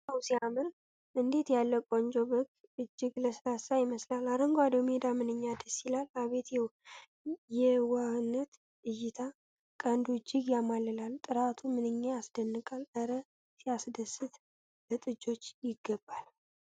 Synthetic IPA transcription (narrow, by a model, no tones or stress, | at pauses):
səwsiamɨɾ | ʔɨnd̪e̞t̪jalːəkʼond͡ʒobək | ɨd͡ʒːɪɡləslasajɪməslalaɾəŋɡʷwad̪omed̪amɨnɨɲːad̪əsilalaβe̞t̪jɛw | jɛwanːət̪ | ʔɨjːɪt̪ʰa | kʼənd̪uɨd͡ʒːɨɡjamalːɨlalt̪ʼɨɾat̪ʰumɨnɨɲːeasd̪ənːɨkʼalʔəɾə | siasd̪əsɨt̪ | lət̪ʼɨd͡ʒo̞t͡ʃːjɪɡ̥ːəbːal